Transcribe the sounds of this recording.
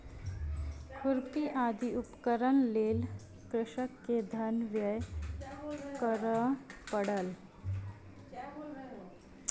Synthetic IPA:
kuɾpiʔad̪ʱiupkəɾəɳleːl | kɾɪʃəkːed̪ʱənʋjəj | kəɾəpəɽəl

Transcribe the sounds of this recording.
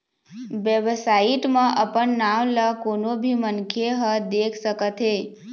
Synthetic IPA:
ʋjeʋsaiʈmãʔəpəɳnaʋləkonobʱimənkʰeɦəd̪ekʰsəkət̪ɦe

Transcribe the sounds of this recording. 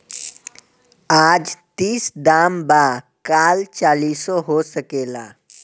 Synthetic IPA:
ad͡zt̪iːsd̪amba | kalt͡ɕalisɔɦosəkela̰

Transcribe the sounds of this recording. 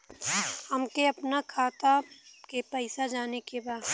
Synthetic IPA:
hɐmkeɐpnakʰaːt̪akepɛɪsad͡ʒaːnekebaːd̪

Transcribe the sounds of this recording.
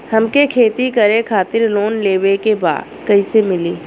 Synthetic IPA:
hɐmkekʰeːt̪ikɐɾẽkʰaːt̪ɪɾloːnleːʋekeba̰ːd̪ | kɐisemɪliː

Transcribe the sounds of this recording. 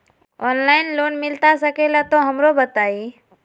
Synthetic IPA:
ɔːnlaːɪnloːnmɪlt̪asəkelat̪oɦəmɾobət̪aːi

